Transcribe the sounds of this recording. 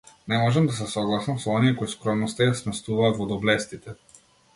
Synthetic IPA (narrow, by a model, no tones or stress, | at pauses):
nɛmɔʒɛmd̪asɛsɔɡlˠasamsɔɔniɛkɔiskɾɔmnɔst̪ajasmɛst̪uvaːt̪vɔd̪ɔblɛst̪it̪ɛ